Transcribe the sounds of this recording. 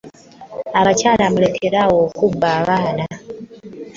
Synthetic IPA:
aβacaːlamule̞kʰe̞ɾawo̞kubaːβaːna

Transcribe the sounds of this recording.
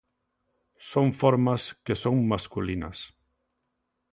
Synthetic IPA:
soŋfoɾmaskesoŋmaskulinɐ̰s

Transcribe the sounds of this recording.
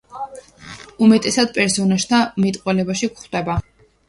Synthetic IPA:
umɛt̪ʼɛsad̪̥̚pʼɛɾsɔnaʃt̪ʰamit̪ʼqʼwɛlɛbaʃikχd̪̥ɛba

